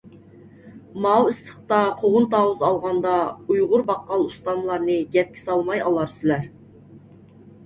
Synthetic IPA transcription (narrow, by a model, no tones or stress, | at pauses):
mɑwɪsəχt̪ɑqʰoʁʊnt̪ɑːwuzɑlˠʁɑnd̪ɑujʁʊɾbɑqːɑlˠust̪ɑmlˠɑɾnɨɡʲɛp̚kʲʰɪ̥sɑlˠmɑjɑlˠɑɾsɪlæɾ